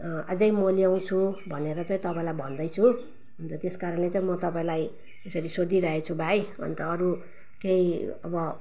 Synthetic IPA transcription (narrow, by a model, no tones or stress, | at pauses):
ad͡zʌjmoliaw̃t͡sʰubʱʌneɾʌt͡saĩt̪ʌpaĩlajbʱʌnd̪ʌjt͡sʰu | unt̪ʌt̪eskaɾʌnlet͡saĩmʌt̪ʌpaĩlaj | esʌɾisod̪iɾʌɦet͡sʰubʱajʌ̰nt̪ʌːɾu | keiʌbʌ